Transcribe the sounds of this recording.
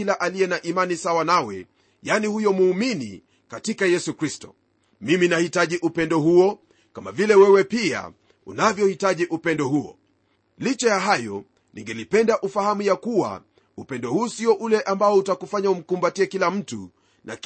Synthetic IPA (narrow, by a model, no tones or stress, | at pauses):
ilaʔalijɛnaʔimanisawanawɛ̰ | janihujɔmuːminḭ | katikajɛsukɾistɔ̥̰ | miminahitaʄiʔupɛndɔhuɔ | kamavilɛwɛwɛpia̰ | ṵnavjɔhitaʄiʔupɛndɔhuɔ̰ | lit͡ʃɛjaɦajɔ̰ | nḭŋɡɛlipɛndaʔufahamujakuwa̰ | upɛndɔhuːsiɔʔulɛʔambaɔutakufaɲaum̩kumbatiɛkilam̩tṵ | na̰k